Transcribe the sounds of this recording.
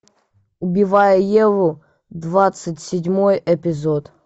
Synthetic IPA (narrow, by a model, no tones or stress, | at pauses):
ʊbʲɪvajəjɛvʊ | d̪vat̪sɨtʲsʲɪdʲmojɛpʲɪzot̪